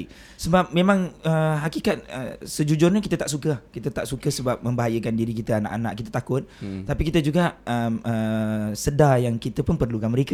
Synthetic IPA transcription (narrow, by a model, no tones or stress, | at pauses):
səbap̚mẽmãŋəɦakikat̪̚ə̰səd͡ʒud͡ʒʊrɲakit̪ət̪aʔsukəkit̪ət̪aʔsukəsəbap̚mə̃mbaɦajəkandiɾikit̪əana̰ʔana̰ʔkit̪ət̪akʊt̪̚ːapikit̪əd͡ʒuɡaʔəməsədajaŋkit̪əpʊnpərlukanməɾeka